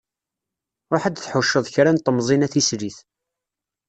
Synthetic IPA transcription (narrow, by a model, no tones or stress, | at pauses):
ɾʊħad̪θħʊʃːəðˤçɾænt̪ˤəmzˤinæθisɾiθ